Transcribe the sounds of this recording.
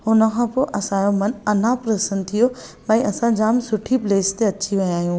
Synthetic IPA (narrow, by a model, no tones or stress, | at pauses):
ʊnə̆kʰãːpoːʔɐsãːjomɐnɐn̤apɾɐsənt̪ʰijomɛ̃ĩʔɐsãd͡ʑaːmsʊʈʰipleːst̪eɐt͡ɕʰiʋɐj̃ãːɦijũː